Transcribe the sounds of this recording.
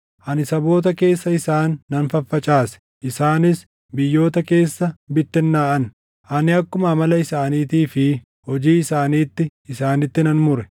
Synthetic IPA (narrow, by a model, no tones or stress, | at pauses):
ʔɐnɪsɐbo̞ːt̪̬ɐke̞ːsːɐɪsaːnːɐnfɐfːɐt͡ʃʼaːsɛ̥ | ʔɪsaːnɪs | bɪjːo̞ːt̪ɐke̞ːsːɐbɪt̪ːɛnːaːʔɐn | ʔɐnɪɐkːʊmɐmɐlɐɪsaːniːt̪iːfɪ | hɔd͡ʒiːɪsaːniːt̪ːɪɪsaːnɪt̪ːɪnɐnmʊɾɛ